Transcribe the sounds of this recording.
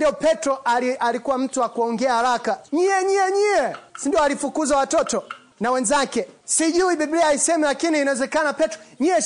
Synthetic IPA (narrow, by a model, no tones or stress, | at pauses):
diɔpɛtɾɔaalikuwam̩tuwakuɔŋɡɛahaɾakaɲiɛɲiɛɲijɛsindiɔalifukuzawatɔtɔ | nawɛnzakɛsiʄuiɓibliaisɛmilakiniːnawɛzɛkanapɛtɔɲiɛ